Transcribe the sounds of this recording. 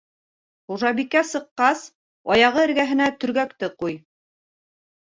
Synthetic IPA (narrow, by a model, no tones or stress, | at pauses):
χuʒɑβikæsɤ̆qːɑs | ɑjɑʁɤɘ̆ɾɡæɦɘ̆næt̪ɵ̆ɾɡækt̪ɘquj